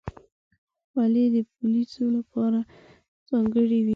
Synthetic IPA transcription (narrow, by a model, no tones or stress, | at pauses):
waled̪əp̚ulisolapɑɾa | z̥ɑŋɡəɽid̪i